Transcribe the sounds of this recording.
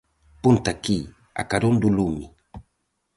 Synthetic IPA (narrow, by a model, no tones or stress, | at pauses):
punt̪aki | a̰kaɾond̪ulumi